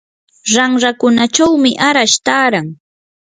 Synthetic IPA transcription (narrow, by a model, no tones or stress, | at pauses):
ɾaŋɾakʊnat͡ʃawmɪʔaɾaʃt̪aːɾaŋ